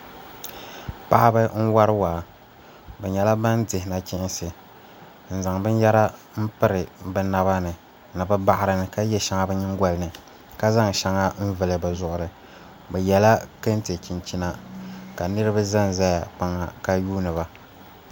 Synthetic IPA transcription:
pa˦ʔa˦bɨ˦n̩˦wa˦ɾɨ˦waː˨ | bɛ˨ɲɛ˨la˦ba˦ndɪ˨hɪ˨na˨t͡ʃɪ˦ʔɪ˦nsɨ˨ | n̩˨za˨ŋbɨ˦njɛ˦ɾa˦ | m̩˦pɨ˦ɾɨ˨bɛ˦na˦βa˦nɨ˨ | nɨ˨bɨ˦ba˦ʔɪ˨ɾɨ˨nɨ˨ka˦jɛ˦ʃa˨˦ŋa˦bɛ˦ɲɪ˦ŋ˦ɡʷa˨lɨ˨nɨ˨ | ka˦za˦ŋ˨ʃa˨ŋa˦m̩˦vɨ˨lɨ˨bɛ˨zʊ˨ʔʊ˨ɾɨ˨ | bɛ˨jɛ˨la˦kɨ˦n˦te˨t͡ʃi˨nt͡ʃi˦na˦ka˨nɨ˦ɾɨ˦ba˦za˦n˨za˦ja˨k͡pa˦ŋa˨ka˦juː˦nɨ˨βa˨

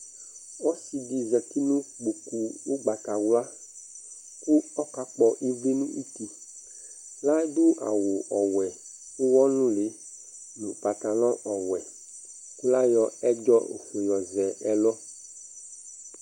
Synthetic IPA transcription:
wɔ˦si˨ɖi˨zɛ˨t̪i˦nũ˦ɡ͡bo˨ku˨wo˦ɡ͡ba˨ta˨wla˦ | ku˦ɔ˦ka˦k͡pɔ˦ʔe˦vi˦nũ˦ʔi˦t̪i˨ | la˦ɖo˦a̰˨wo˨ʔɔ˨wɛ˨ | wo˦wɔ˦nũ˦le˨˦ | nũ˨pa˨t̪a˨lɔ̃˦ʔɔ˨wɛ˨ | ku˦la˦jɔ˦ɛ˦d͡ʒɔ˦o̰˨fo˨jɔ˨zɛ˨ʔɛ˦lɔ˦

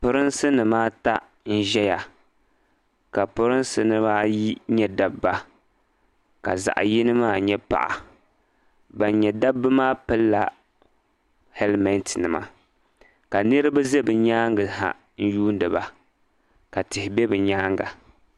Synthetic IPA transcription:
pʊ˦ɾɨ˦nsɨ˦nɨ˨maː˦ta˦ | n̩˦ʒɛ˦ja˨ | ka˨pʊ˦ɾɨ˦nsɨ˦nɨ˦maː˦ji˦ɲɛ˦da˦bːa˦ | ka˨za̰˨ʔji˦nɨ˦maː˦˨ɲɛ˦pa̰˨ʔa̰˨ | ba˨n˦ɲɛ˨da˦bːɨ˦maː˦pɨ˦lːa˨ | hɛ˦lmɛ˦ntnɨ˨ma̰˨ | ka˨nɨ˦ɾɨ˦ba˦ze˦bɨ˨ɲaː˦ŋɡɨ˨ha̰˨ | n̩˦juː˦n˦dɨ˨ba˨ | ka˨tɪ˨hɪ˨bɛ˦bɨ˨ɲaː˦ŋɡa̰˨

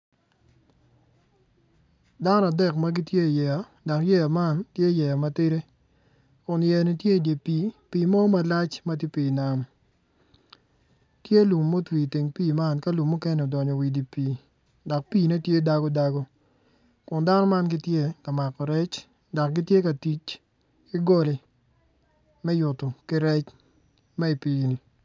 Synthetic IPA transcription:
da˦nɔ˦a˨dɛ˨kma˦ɡi˦tje˦˨jɛ˨a˨ | dɔ˨kjɛ˦a˨ma˦ntje˦˨jɛ˨ja˨ma˦tɪ˦ɾe˦ | kʊ˨njɛ˨ni˨tje˦˨de˨piː˨pi˨mɔ˦ma˨la˦t͡ʃma˦ti˦piː˨na˨m | tje˦lu˨mːo˦twi˨ti˨ŋpiː˦˨ma˦nka˦lu˨mːu˦ke˦n˨o˨dɔ˨ɲɔ˨wi˨di˨piː˨ | dɔ˨k̚piː˦˨ne˦tje˦da˦ɡo˦da˦ɡo˦ | kʊ˨nda˦nɔ˦ma˦nɡɪ˦tje˦ka˨ma˨kɔ˨ɾɛ˦t͡ʃ | dɔ˨k̚ɡɪ˦tje˦ka˨ti˦t͡ʃ | ki˦ɡo˦le˨ | mɛ˦jʊ˨to˨kɪ˦ɾɛ˦t͡ʃ | mɛ˦i˨piː˦ni˨

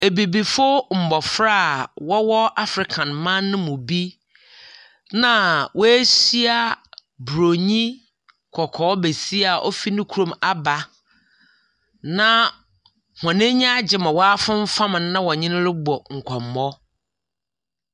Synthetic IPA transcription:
e˨bi˨bi˨fʊ˦m̩˨bɔ˨fɾa˦˨wɔ˦wɔ˦a˦fɾɪ˨kʰã˨nmã˦nːʊ̃˦mʊ̃˨bi˦ | nã˦˨wɔ˦æ˦si˦a˨ | bɾo˨ɲĩ˦ | kʰɔ˨kʰɔː˨˦be˨si˦a˨ʔɔ˦fi˦nʊ̃˦kʰu˦ɾõ˨ma˨ba˨ | nã˦ | hɔ̃˨nɪ̃˦ɲã˦d͡ʑɪ˨mã˨wɔ˦a˦fʊ̃˦m̩˦fã˦mɪ̃˨nː˦ã˦wɔ˨ɲɪ̃˦nʊ̃˦lɪ˦bɔ˨ŋ̩˨kʷʰɔ˨mː˨ɔ˦

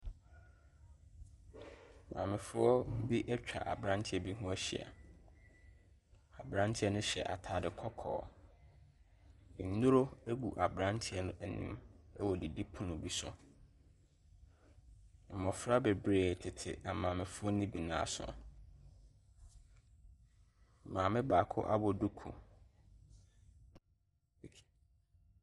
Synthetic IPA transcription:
mã̰ː˨mɪ̃˨fʊ˦ɔ˦bi˦ʔɛ˦t͡ɕᶣa̰˨ʔa̰˨bɾã˦ntʰɪ˦ɛ˦bi˦ɦʊ̃˦æ˦ɕɪ̰˨a̰˨ | a˨bɾã˦ntʰɪ˦ɛ˦nʊ̃˦ɕɛ̰˨ʔa̰˨tʰaː˨dɪ˨kʰɔ˦kʰɔ̰ː˨ | ɪ˨n˨˦nu˦ɾo˦æ˦ɡu˨ʔa˨bɾã˦ntʰɪ˦ɛ˦nʊ̃˦ʔæ˨nḭ̃˦mɛ˦wɔ˨di˨di˦pʰʊ̃˦nʊ̃˨bi˦sʊ̰˨ | mɔ̃˨fɾa˦be˨bɾeː˨tʰɪ˨tʰɪ̰˨a˨mãː˨mɪ̃˨fʊ˦ɔ˦nĩ˦bi˨nã̰ː˨sʊ̰˨ | mãː˨mɪ̃˦baː˨kʰʊ̰˦ʔa̰˦bɔ˦du˦kʰṵ˨

